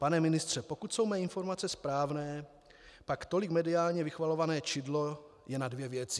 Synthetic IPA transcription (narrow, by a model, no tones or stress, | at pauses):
panɛmɪnɪst̪r̝̥ɛpo̞kut̪sowmɛːinfo̞ɾmat͡sɛspɾaːvnɛː | pakt̪o̞lɪkmɛdɪaːlɲɛvɪxvalo̞vanɛːt͡ʃɪdlo̞ | jɛnadvjɛvjɛt͡sɪ